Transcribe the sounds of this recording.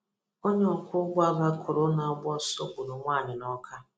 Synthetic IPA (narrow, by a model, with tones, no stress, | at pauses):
o˦ɲ˦ɔ˨kʷʊ˦ɡʷa˦ba˦kʰʊ˨ɾʊ˦na˨˦ɡ͡bɔ˦so˦kʷʊ˨ɾʊ˨ŋʷaː˦˨ɲɪ˨nɔ˦kʰa˦